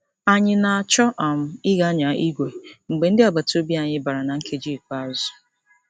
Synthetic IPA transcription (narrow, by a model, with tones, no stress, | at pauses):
a˨ɲɪ˦na˨a˨t͡ʃɔ˦ʔa˨m̩˦ɪ˦ɣa˦ɲa˨i˦ɡʷe˨ŋ͡m̩˨ɡ͡be˨n̩˦dɪ˦a˨ba˨to˦bi˦a˨ɲɪ˦ba˨ɾa˨na˨ŋ̩˦kʰe˦d͡ʒi˦˨k͡pa˦˨zʊ̥˦